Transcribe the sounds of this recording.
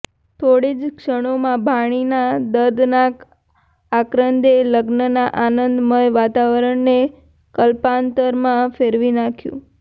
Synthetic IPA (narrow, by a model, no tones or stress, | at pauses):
t̪ʰoɽid͡ʒkʂəɽ̃omãbʱaɽ̃inad̪əɾd̪nak | akɾənd̪eləɡnənaʔanənd̪məjʋat̪aʋəɾəɳne | kəlpant̪əɾmãfeɾʋinakʰjṵ̃